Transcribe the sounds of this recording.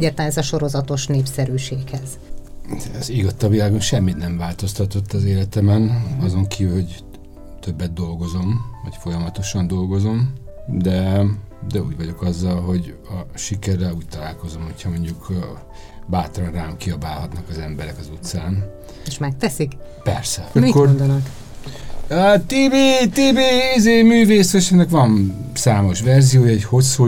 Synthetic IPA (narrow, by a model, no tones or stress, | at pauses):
ɟɛrt̪aːnɛzɒʃo̞ɾo̞zɒt̪o̞ʃneːpsɛɾyːʃeːkhɛz̥ | ziɡɒt̪ːɒvilaːɡonʃɛmːit̪nɛɱvaːlt̪o̞st̪ɒt̪o̞t̪ːɒzeːlɛt̪ɛmɛnɒzo̞ŋkiːvylho̞ɟ | t̪øbːɛd̪̚d̪o̞lɡo̞zo̞mvɒcfo̞jɒmɒt̪o̞ʃɒnd̪o̞lɡo̞zo̞m | d̪ɛ | d̪ɛṵːɟvɒɟo̞kɒzːɒlɦo̞ɟ | ɒʃikɛrːɛluːc̚t̪ɒlaːlko̞zo̞mho̞cʰhɒmoɲɟuk | baːt̪rɒnraːmkiɒbaːlɦɒt̪nɒkɒzɛmbɛɾɛkɒzut̪saːn | eʃmɛk̚t̪ɛsik | pɛrsɛikːod̪nk | øt̪eːbeːt̪eːbeːizeːmyːveːseʃɛnɛkʋɒnsaːmo̞ʃʋɛrzijoːjɒɛcho̞su